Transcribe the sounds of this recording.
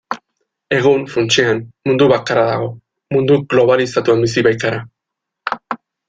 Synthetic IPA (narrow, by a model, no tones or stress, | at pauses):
e̞ɣ̞unfunt͡sianmund̪uβakaɾaðaɣ̞o̞ | mund̪uɣlo̞β̞alisat̪uembisiβajk̪aɾa